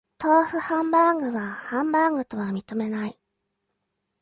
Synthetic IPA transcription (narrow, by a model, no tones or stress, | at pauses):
t̪o̞ːɸɯ̟hãmbaŋɡɯ̟βahãmbaŋɡɯ̟t̪o̞βamʲit̪o̞me̞nai